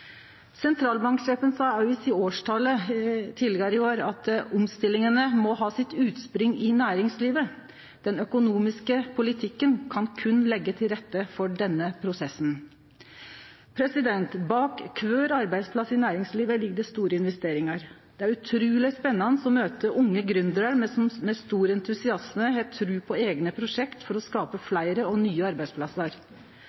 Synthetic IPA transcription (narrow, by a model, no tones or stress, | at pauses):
sɛnt̪ʰɾɑːlbɑŋkʂɛːpənsɑːɑɪsɪoːʂʈʰɑlət̪ʰɪlɛɡɑɾɪoːɾɑt̪ʊmst̪ɪlɪŋənəmɔɦɑːsɪt̪ʉːt̪spɾʏŋɪnæːɾɪŋsliːʋə | d̪̥ɛnœkʊnuːmɪskəpʰʊlɪt̪ʰɪkːənkʰɑnkʰʉnːlɛɡːət̪ʰɪlɾɛt̪ːəfɔɖɛnːəpʰɾʊsɛsn | pʰɾɛsɪd̪ɛnt̪bɑːkkʰːʋøːɾɑɾbæɪd̪spʰlɑsːɪnæːɾɪŋsliːʋəlɪɡɖəst̪uːɾəɪnʋɛst̪eːɾɪŋɑɾ | d̪̥ɛæɾʉt̪ʰɾʉːlɪspɛnːɑnəsɔmøːt̪əʔʊŋːəɡɾʏnd̪ɾɑɾmmɛst̪uːɾɛnt̪ʰʉsɪɑsməɦɛt̪ʰɾʉːpʰɔeːɡnəpʰɾʊʂɛkt̪fɔɾɔskɑːpəflæɪɾəɔnyːəɑɾbæɪspʰlɑsəɾ